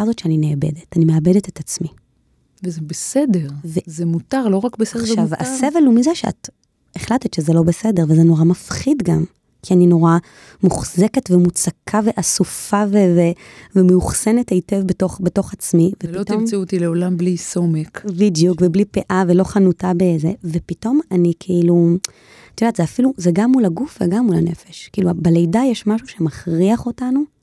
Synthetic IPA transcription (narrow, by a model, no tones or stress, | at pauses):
azo̞tt͡ʃeanineabe̞̰detanimeabedetetat͡smi | vezebesedeʁvezemutaʁlo̞ʁakbesdavasevelumizeʃea̰t | eχlatetʃezelo̞besede̞ʁvezeno̞ʁamafχidɡam | kʰianino̞ʁa | muχze̞ketvemut͡sakʰave̞ʔasufaveve | vemeuχse̞netaite̞vbeto̞χbe̞to̞χat͡smivepiotoimt͡siut̪ileolamblisomekbidjukveblipeʔaveloχanutabezeve̞pito̞manikʰeʔilu | t̪jod̪aːt̪z̥eafiluzeɡamːulaɡufveɡamula̰ne̞̰feʃkiʔilubelejdajeʃmaʃuʃe̞maχʁiaχo̞tanu